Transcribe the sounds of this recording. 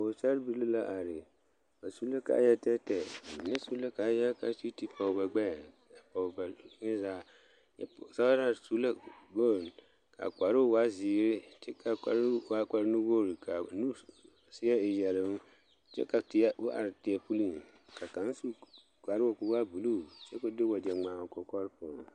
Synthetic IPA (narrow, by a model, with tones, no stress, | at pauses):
o˨sa˦ɾbi˦li˦la˦ʔa˨ɾɪ˨ | ba˨su˦la˦ka̰˨˦jɛ˦tɛ˦tɛ˨mi˨nɛ˦su˦la˦ka˨˦jɛ˦ka˨˦si˦ti˦pʰa˨ba˨ɡ͡bɛ˦˨ | a˨pa˨ba˨˦ŋɪ˦zaː˦ | ɛ˦˨sa˦a˦ɾa˦˨su˦la˦bo˦˨ | ka̰˨ka˨ɾɪ˦˨wa˦ziː˨˦ɾɪ˦tɪ˦ka˨ka˨ɾwa˦ka˨ɾnũ˦wo˦˨ɾi˨kʰa˨nũ˦ | sɪ˦ɛ˦e˨jɛ˨lɪ˨m˦ | t͡ʃɛ̰˦ka˨tɪ˨ɛ˦o˦ʔa̰˨ɾtɪ˨ɛ˨pu˦li˦˨n | ka˨kã˨˦n˦su˦ | kʷa˨ɾɪ˦wo˨kʊ˨wa˦bu˨lu˦˨t͡ʃɛ˦ko˦de˦wɔ˨d͡ʒɛ˨ŋ͡mã˨ŋ˨kɔ˨kɔ˦ɾpʊ˨n˨